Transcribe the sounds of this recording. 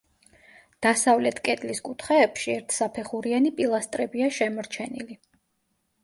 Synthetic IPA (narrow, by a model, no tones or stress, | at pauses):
d̪̥asavlɛt̪ʰkʼɛt̪ʼliskʼut̪ʰχɛːpʃiɛɾt̪ʰsapʰɛχuɾianipʼilˠast̪ʼɾɛbiaʃɛmɔɾt͡ʃʰɛnili